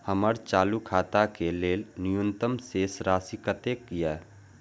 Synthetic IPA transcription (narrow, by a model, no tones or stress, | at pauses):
həməɾt͡ʃaːlukʰaːt̪akeleːlnʊjʊnt̪əmseːsɾaːsikət̪eːkːija